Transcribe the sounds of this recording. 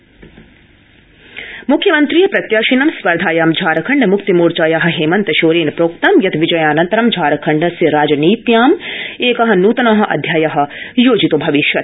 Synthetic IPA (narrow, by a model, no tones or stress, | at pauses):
mukʰjɐmɐnt̪ɾijɐpɾɐt̪jaːʃinɐmsʋɐɾd̪ʱaːjaːmd͡ʒʱaːɾɐkʰɐɳɖmʊkt̪imuːɾt͡ʃaːjaːɦɐ̆ɦeːmɐnt̪ɐʃoːɾeːnpɾoːk̚t̪ɐmjɐt̪ʋɪd͡ʒɐjaːnɐnt̪ɐɾɐmd͡ʒʱaːɾɐkʰɐɳɖsɐɾaːd͡ʒɐniːt̪jaːmeːkɐɦɐ̆nuːt̪ɐnɐɦɐ̆ʔɐ̰d̪ʱjaːjaɦɐ̆joːd͡ʒit̪obʱɐʋiʃjɐt̪